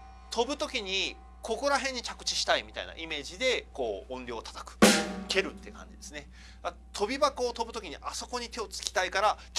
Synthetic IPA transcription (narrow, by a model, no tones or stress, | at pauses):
t̪ʰo̞bɯ̟t̪o̞kʲiɲ̟i | ko̞ko̞ɾaɦẽ̞ɲ̟ːit͡ɕakɯ̟̥t͡ɕi̥ɕi̥t̪aimʲit̪a̰ḭna̰ʔime̞ːʑid̪e̞ko̞ːõ̞nɾʲo̞ːt̪ḁt̪ḁkɯ̟̥ke̞ɾɯ̟t̪ːekã̰ɲ̟d͡ʑid̪e̞sɨne̞ | a | t̪ʰo̞bʲibakoːt̪o̞bɯ̟t̪o̞kʲiɲ̟iʔaso̞ko̞ɲ̟it̪e̞o̞t͡sɨ̥kʲi̥t̪aikaɾakʲ